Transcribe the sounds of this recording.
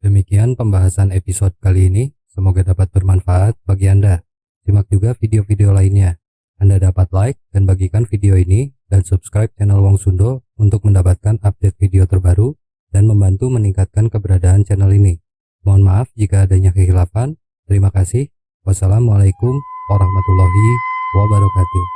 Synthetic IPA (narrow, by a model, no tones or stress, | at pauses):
d̥əmikianpəmbaɦasanepisɔd̚kaliːni | səmoɡadapat̪̚bərmanfaʔat̪̚baɡianda | simak̚d͡ʒuɡafideofideolainɲaː | ndadapat̪̚laɪk̚d̥anbaɡikanfideoinidansupskɾajp̚t͡ʃɛnəlwaŋsundount̪ʊk̚məndapat̪̚kanap̚dɛt̪̚fideot̪ərbaɾu | danməmbant̪uməniŋkat̪̚kankəbəɾadaːnt͡ʃɛnɛlini | mnmaːfd͡ʒikaːdaɲakəɦilafan | t̪əɾimakasɪh | wasalamwalajkʊmwaɾahmat̪ulːaɦiwabaɾut̪at̪u